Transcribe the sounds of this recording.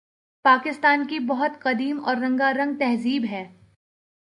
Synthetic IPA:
paːkɪst̪aːnkibɐɦʊt̪qɐd̪iːmɔːɾːɐ̃ŋɡaɾɐ̃ŋɡ̚t̪ɛɦziːbɦɛː

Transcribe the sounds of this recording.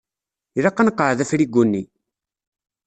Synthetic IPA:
iɾɑqːanqːəʕðæfɾiɡʷunːi

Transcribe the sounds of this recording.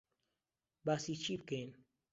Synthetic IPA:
basit͡ʃip̚ken

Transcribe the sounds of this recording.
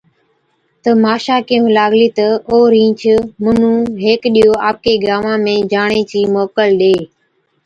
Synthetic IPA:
t̪əmaːʃaːkẽːũlaːɡliːt̪əoːɾĩːt͡ʃʰmʊnũːɦeːkɗijoːaːp̚keːɡɾaːʋãːmẽːd͡ʒaːɳeːt͡ʃiːmoːkəlɗeː

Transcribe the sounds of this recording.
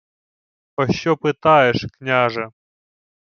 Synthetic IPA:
pɐɕːopɨt̪ajɪʂknʲaʐɛ

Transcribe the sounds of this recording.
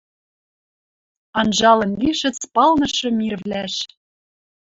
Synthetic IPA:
ɑnʒɑlɤ̆nliʃɘ̆t͡spɑlnɤ̆ʃɤ̆mirvlæʃ

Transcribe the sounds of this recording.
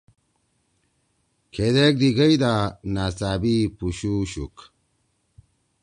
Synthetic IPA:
kʰed̪ek̚d̪iɡɐid̪anat͡saːbipuɕuɕṵk

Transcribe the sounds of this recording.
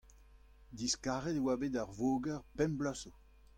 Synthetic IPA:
d̪iskaːʁet̪ewaːbeːdaʁvoːɡɛʁpɛmblaso

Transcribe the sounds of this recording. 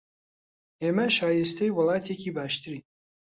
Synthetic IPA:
eːmɐʃaːjɪst̪ʰɛjwʊlˠɑːt̪ʰeːciːbaːʃt̪ʰɨɾiː

